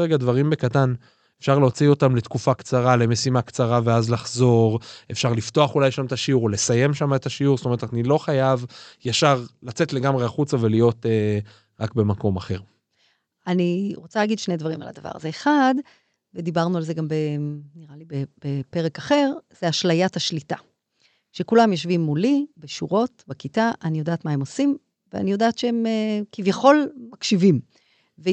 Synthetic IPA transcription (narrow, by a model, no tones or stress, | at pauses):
ʁeɡad̪vaʁimbe̞kat̪an | efʃaʁleot͡sio̞tamle̞t̪kufakt͡saʁale̞me̞simakt͡saʁave̞azlaχzo̞ʁe̞fʃaʁlift̪o̞aχulajʃamt̪aʃiuʁole̞saje̞mʃamaet̪aʃiuʁstome̞et̪anilo̞χajavjaʃaʁlat͡se̞tle̞ɡamʁeaχut͡save̞lijo̞t̪e | ʁakbe̞mako̞maχe̞ʁ | aniʁo̞t͡salaɡid̪ʃnejdvaʁima̰la̰d̪ava̰ʁa̰ze̞eχad̪ | ved̪ibaʁnualzeɡambeniʁalibebepe̞ʁekaχe̞ʁz̥eaʃlajathaʃlita | ʃe̞kulamjoʃvimːulibeʃuʁo̞tbekitaʔanijo̞d̪aːt̪maemo̞sim | vea̰nijo̞daːt̪ʃeemekivjaχo̞lmakʃivim | ve